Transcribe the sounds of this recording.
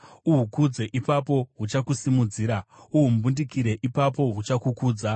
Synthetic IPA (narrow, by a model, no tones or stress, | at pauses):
uɦukud͡ze̞ʔipapo̞ɦut͡ʃakusimud͡ziːɾauɦumubundikiɾe̞ʔipap̬o̞ɦut͡ʃakukuːd͡za